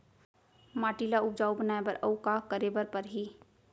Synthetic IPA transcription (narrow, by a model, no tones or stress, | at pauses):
maːʈiːlaʊp̚d͡ʒaːubənaːebəɾɐwkakəɾeːbəɾpəɾɦi